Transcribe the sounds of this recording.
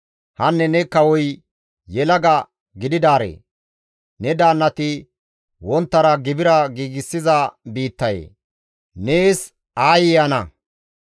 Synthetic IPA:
hɐnːɛnɛkɐwɔj | jɛlɐɡɐ | ɡɪd̪ɪd̪aːɾḛː | nɛd̪aːnːɐt̪ɪ | wɔnt̪ːɐɾɐɡɪbɪɾɐɡiːɡɪsːɪzɐbiːt̪ːɐjḛː | neːs | aːjɪjɐnɐ

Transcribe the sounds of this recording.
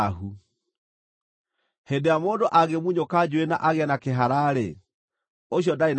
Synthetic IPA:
ɦu | hendejamondoʔaɣemuɲokad͡ʑwena̰ʔaɣeɛnakeɦaɾaɾḛ | oɕjɔdain

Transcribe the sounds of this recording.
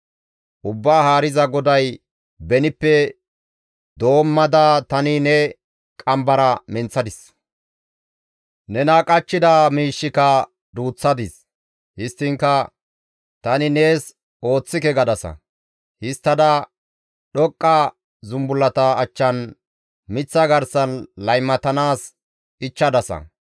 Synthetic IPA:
ʔʊbːaːhaːɾɪzɐɡɔd̪ɐj | bɛnɪpːɛ | d̪o̞ːmːɐd̪aːt̪ɐnɪnɛ | kʼɐmbɐɾɐmɛnt͡sːɐd̪ɪs | nɛnaːkʼɐt͡ʃːɪd̪amiːʃːɪkɐ | d̪uːt͡sːɐd̪ɪs | hɪst̪ːɪŋkɐ | t̪ɐnɪne̞ːs | o̞ːt͡sːɪkɛɡɐd̪ɐsɐ̰ | hɪst̪ːɐd̪ɐ | ɗɔkʼːɐ | zʊmbʊlːɐt̪ɐːt͡ʃːɐn | mɪt͡sːɐɡɐɾsɐnlɐjmːɐt̪ɐnaːs | ɪt͡ʃːɐd̪ɐsɐ̰

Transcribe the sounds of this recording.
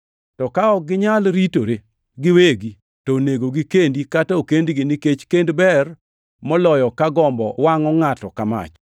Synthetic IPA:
tɔkaɔɡɪɲalɾitoɾe | ɡɪweɡi | toneɡoɡikendikataokendɡɪnɪket͡ʃkendbɛr | mɔlɔjɔkaɡɔmbɔ̰waŋɔŋatɔkama̰t͡ʃ

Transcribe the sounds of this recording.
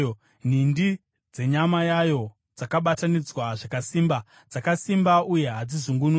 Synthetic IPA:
n̤indi | d͡ze̞ɲamajajo̞ | d͡zakaɓatanid͡zwaʐakasiːmba | d͡zakasimbauje̞ɦad͡zizuŋɡunu

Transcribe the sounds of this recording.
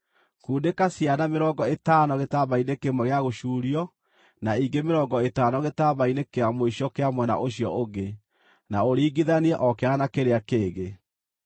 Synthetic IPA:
kuːdekasjanameɾɔːŋɡɔetanɔɣetaβainekemɔɣeaɣoʃuːɾiɔ | naiŋɡemeɾɔːɡɔetaːnɔɣetaβainekeamoiɕjɔkeamwɛna̰ʔoɕjɔ̰ʔoɡe | naoɾiːɡiðaniɛʔɔkeanakeɾeakeːɣe

